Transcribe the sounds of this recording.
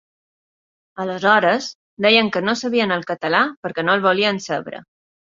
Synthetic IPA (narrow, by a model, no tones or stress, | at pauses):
ələzɔɾəz | d̪ɛjəŋkənosəβiənəlˠkət̪əlapəɾkɛnoəlˠβuliənsəβɾə̰